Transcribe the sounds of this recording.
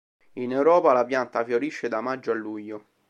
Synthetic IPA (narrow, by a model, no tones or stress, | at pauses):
inɛwɾɔːpalapjant̪afjoɾiʃːed̪amad͡ʒːoalːuʎːo